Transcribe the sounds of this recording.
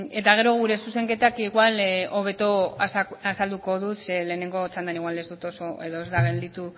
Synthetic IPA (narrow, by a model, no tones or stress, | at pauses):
e̞t̪aɣ̞e̞ɾo̞ɣ̞uɾe̞suse̞ŋke̞t̪akiɣwalo̞β̞e̞t̪o̞sasald̪uko̞ðut̪sele̞ːne̞ŋɡo̞t͡ʃand̪aniɣwale̞zd̪ut̪o̞so̞e̞ðo̞e̞zd̪aɣend̪it̪u